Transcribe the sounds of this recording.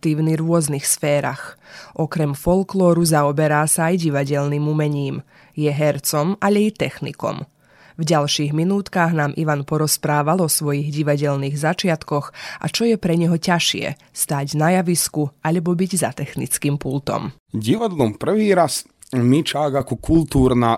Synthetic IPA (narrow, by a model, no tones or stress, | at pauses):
t̪iːʊniɾʊɔznixsfɛːɾa̰xʔɔkɾɛmfɔlklɔːɾuzaɔbɛɾaːsaːjɟiʋaɟɛʎniːmumɛɲiːm | jɛɦɛɾt͡sɔmaʎɛit̪ɛxnḭkɔ̰m | vɟalʃiːɣminuːt̪kaːɣnaːmʔḭʋanpɔɾɔspɾaːʋalˠɔsʋɔjiɣɟiʋaɟɛʎniːɣzat͡ʃɪat̪kɔxʔa̰t͡ʃɔjɛpɾɛɲɛɦɔcaʃɪɛ̰ | st̪aːɟnajaʋiskuaʎɛbɔbiɟzat̪ɛxnit͡skiːmpult̪ɔ̰m | ɟiʋad̪lɔmpr̩ʋiːɾas | mit͡ʃaɡakɔkult̪uːɾna